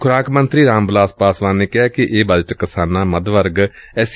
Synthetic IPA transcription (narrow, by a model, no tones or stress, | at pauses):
kʰʊɾaːkmənt̪ɾiːɾãːmblaːspaːsʋãːneːkɪɦaːkɪʔeːbəd͡ʒəʈkəsaːnãːməd̪ʋəɾɡɛːs